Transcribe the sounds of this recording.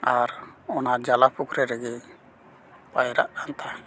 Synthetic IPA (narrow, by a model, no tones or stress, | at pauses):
aɾɔnad͡ʒalapukʰɾɛɾɛɡɛ | pajɾaʔɾant̪ʰa